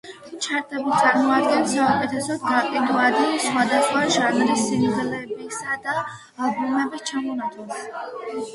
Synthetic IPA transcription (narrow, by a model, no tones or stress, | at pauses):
t͡ʃʰaɾt̪ʰɛbit̪sʼaɾmɔmad̪ɡɛnsaukʼɛt̪ʰɛsɔd̪ɡaqʼid̪uad̪insχwad̪asχwaʒanɾisːimʁlɛbisad̪a | bumɛbist͡ʃʰamɔnat̪ʼɔn